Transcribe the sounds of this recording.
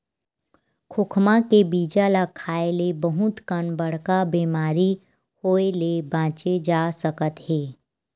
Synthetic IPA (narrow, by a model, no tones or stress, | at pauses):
kʰʊkʰmãkebiːd͡ʒalakʰaːelebəɦʊt̪kənbəɽ̤kabiːmaːɾi | hoːelebãːt͡ʃed͡ʒaːsəkət̪ɦeː